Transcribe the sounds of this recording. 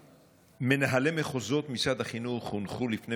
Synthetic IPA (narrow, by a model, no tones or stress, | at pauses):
me̞naɦale̞meχozo̞t̪mit͡sad̪haχinuχunχulifne